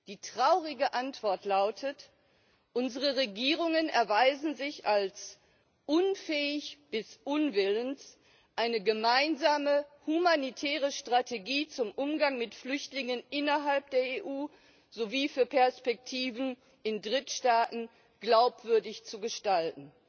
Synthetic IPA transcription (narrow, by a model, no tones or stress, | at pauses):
d̥iːtʁ̥aʊʁɪɡəʔantv̥ɔɐtʰlaʊtʰət | ʔʊnzəʁəʁeɡiːʁʊŋənɛɐvaɪzn̩zɪçals | ʔʊnfɛːɪçb̥ɪsʔʊnvɪlənt | ʔaɪnəɡəmaɪnzaːməhumanitʰɛːʁəʃtʁ̥atʰeɡiːt͡sʊmʔʊmɡaŋmɪtflʏçtlɪŋənʔɪnɐɦalp̚d̥eːɐeʔuː | z̥oviːfyːɐpʰɛɐspɛk̚tʰiːvn̩ | ʔɪndʁɪtʃtaːtn̩ | ɡ̥laʊpv̥ʏɐdɪçt͡suɡəʃtaltn̩